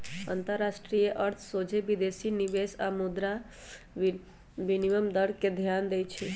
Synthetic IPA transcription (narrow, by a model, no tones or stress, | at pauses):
ə̰nt̪əɾːasʈɾijeʔəɾt̪ʰsod͡ʒʱebid̪esinibesamud̪ɾa | ʋiniʋəmd̪əɾkːed̪ʱjand̪ejt͡ʃʰi